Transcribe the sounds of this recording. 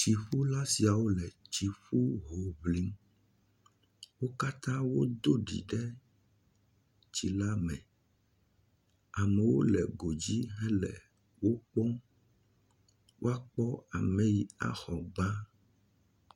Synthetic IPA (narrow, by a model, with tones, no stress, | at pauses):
t͡ʃi˨ɸu˦la˦si˨a˨wo˦lɛ˨t͡ʃi˨ɸu˦ɦo˨βli˦m | wo˦ka˦t̪ã˦wo˦d̪o˦ɖḭ˨ɖɛ˦ | t͡ɕi˨la˦mɛ̰̃˨ | a˨mɛ˨wo̰˦lɛ̰˨ɡo˨d͡ʑi˦ɦɛ̃˦lɛ̰˨ | wo˦k͡pɔ̃˦ | wo˦a˦k͡pɔ˦a̰˨mẽ˨ji˨a̰˨xɔ˨ɡ͡bã˦